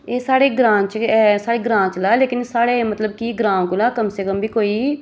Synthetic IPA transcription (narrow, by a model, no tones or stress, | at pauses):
eːsaːɽeːɡɾãːt͡ʃːsaːɽeːɡɾãːt͡ʃlaːleːkɪnsaːɽeːmət̪ləb̚kiɡɾãːõkʊlaːkəmsekəmbʱiːkoːiː